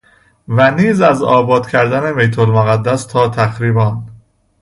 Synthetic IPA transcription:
væniːzæzɒ̰ːbɒːd̪̥cʰæɾd̪æne̞mejt̪ʰolmoɣæd̪ːæst̪ʰɒːt̪ʰæxɾiːbɒːn

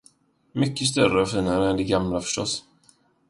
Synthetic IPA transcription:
mʏkːəs̬t̪œɾəɔfiːnaɾəɛnd̪ɛɡamlafœ̥ʂʈɔ̰s

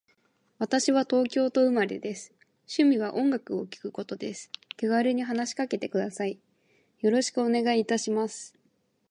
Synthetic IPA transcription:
βat̪aɕiβat̪o̞ːkʲo̞ːt̪o̞ɯ̟maɾʲḛd̪e̞sɨ̥ | ɕɨmʲiβ̞aʔõ̞ŋɡakɯ̟o̞kʲi̥kɯ̟ko̞t̪o̞d̪e̞sɨ̥keɡaɾɯɲ̟iɦanaɕi̥kake̞t̪e̞kɯ̟d̪asai | jo̞ɾo̞ɕi̥kɯ̟o̞ne̞ɡaiːt̪aɕimasɨ̥

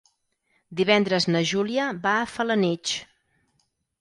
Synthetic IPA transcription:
d̪iβɛnd̪ɾəznəʒuliəβaːfələnit͡ʃ

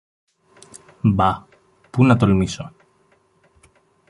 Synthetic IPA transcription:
bɐ | punɐt̪olmiso

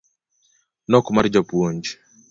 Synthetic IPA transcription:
nɔkmaɾd͡ʒapuoɲd͡ʒ

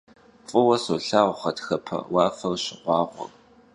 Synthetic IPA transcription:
fʼɨwɐsoɬaːwʷχɐtxɐpʰɐ̰wɑːfɐrɕɪqʷɑːʁʷɔ̰r

